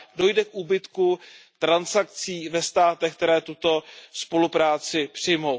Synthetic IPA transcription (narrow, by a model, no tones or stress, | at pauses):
do̞jdɛkʔuːbɪt̪kut̪ɾansak̚t͡siːvɛst̪aːt̪ɛxk̚t̪ɛɾɛːt̪ut̪o̞spo̞lupɾaːt͡sɪpr̝̥ɪjmo̞w